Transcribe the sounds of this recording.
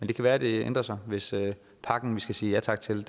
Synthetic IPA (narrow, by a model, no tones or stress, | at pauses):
mend̥e̝kʰæʋæːɐd̥e̝ḛnd̥ʁɐsɑ̈ɪʋe̝sø | pʰɑ̈ɡ̥n̩ʋisɡ̥æsiːjæt͡sʰɑ̈ɡ̥t͡sʰe̝l